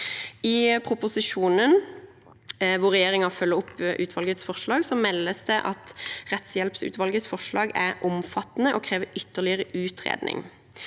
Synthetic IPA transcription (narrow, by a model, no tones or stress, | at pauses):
ɪpʰɾʊpʊsɪʂuːnən | ʋʊʁʁɛjeːɾɪŋɑfœlːəʊpːʔʉːt̪ʰʋɑlɡət̪sfɔʁʂlɑːɡsɔmɛlːəsd̪ɛʔɑt̪ʁɛt̪sjɛlpsʉ̰t̪ʋɑlɡət̪sfɔʂlɑːɡæɾʔʊmfɑt̪ːnəʔɔkʰɾeːʋəʏt̪ːəʁlɪəʁəʉːt̪ʰʁḛːd̪nʔɪ̰ŋ